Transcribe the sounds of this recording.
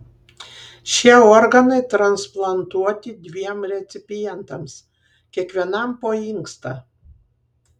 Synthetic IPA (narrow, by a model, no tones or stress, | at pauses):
ʃʲiɛɔɾɡɐnɐɪt̪ɾɐnsplˠɐnt̪uɔt̪ʲɪd̪ʲʋʲiɛmɾʲɛt̪sʲɪpʲɪjɛnt̪ɐms | kʲiɛkʋʲiɛnɐmpoːɪŋkst̪ɐ